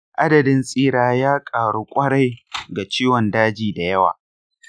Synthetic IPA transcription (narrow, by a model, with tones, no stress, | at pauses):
ʔa˦dɐ˨dɪ˦nsʼiː˦ɽaː˦jaː˦kʼaː˨ɽuː˦kʷʼɐ˦ɽa˦jɡa˨t͡ʃiː˦wɔ˨ndaː˦d͡ʒiː˨da˨jɐ˦wa̰ː˨